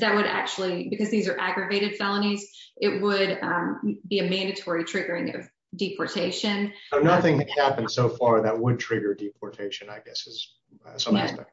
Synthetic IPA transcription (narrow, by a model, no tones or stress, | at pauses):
ðɨt̚wəɾæ̰k̚t͡ʃul̩ˠibɨkʰʌzðizə˞ʔæɡɹɨveɪɾɨd̥fɛlˠənizʔɪt̚wəd | biɨmæ̃ndɨtʰɔɹitʰɹ̥ɪɡə˞ɪ̃ŋʌ̰v | dipʰɔɹtʰeɪʃɨ̃noʊnʌθɪ̃ŋɨd̚hæpɨ̃n̩d̥soʊfɑɹðɨt̚wəd̚tʰɹ̥ɪɡə˞dipʰɔɹtʰeɪʃɨ̃naɪɡɛsɨz̥ | sʌ̃æsɛ